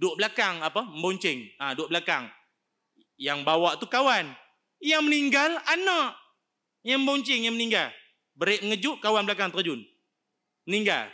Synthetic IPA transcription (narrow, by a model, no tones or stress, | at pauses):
dʊʔblakaŋapəmboɲt͡ʃɪŋadʊʔblaka̰ŋ | jaŋbawaʔt̪ukawan | jaŋməniŋɡalanaʔ | jaŋəmboɲt͡ʃɪŋjaŋməniŋɡal | bəɾɪʔməŋəd͡ʒʊʔkawanbəlakaŋt̪əd͡ʒʊn | məniŋɡa̰l